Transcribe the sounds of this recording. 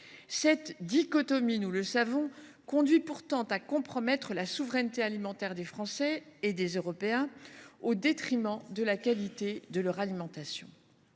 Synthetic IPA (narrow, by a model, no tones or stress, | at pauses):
sɛt̪d̪ikɔt̪ɔminuləsavɔ̃ | kɔ̃d̪ɥipuʁt̪ɑ̃t̪akɔ̃pχɔmɛt̪χəlasuvʁɛnt̪ealimɑ̃t̪ɛʁd̪efχɑ̃sɛːd̪ezøʁɔpeɛ̃od̪et̪χimɑ̃d̪əlakalit̪ed̪əlœʁalimɑ̃t̪asjɔ̰̃